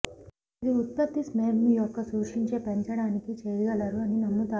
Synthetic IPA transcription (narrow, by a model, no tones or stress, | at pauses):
ɐd̪iut̪̚pɐt̪ːismeːɾnujɔkːɐsuːʂiɲt͡ʃe̞ːpeɲt͡ʃɐɽaːnikit͡ʃeːjɐɡɐlɐɾuɐninɐmːut̪aː